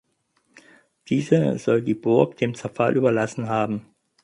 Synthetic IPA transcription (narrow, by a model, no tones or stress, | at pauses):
d̥iːzəz̥ɔldiːbʊɐkd̥eːmt͡sɛɐfa̰lʔyːbɐlasn̩ɦaːbm̩